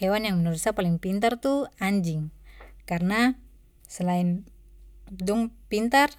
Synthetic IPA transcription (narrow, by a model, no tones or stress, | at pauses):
ewanjaŋmənəɾusapaliŋpint̪art̪uaɲd͡ʒɪŋkarna | səlain | duŋpint̪ar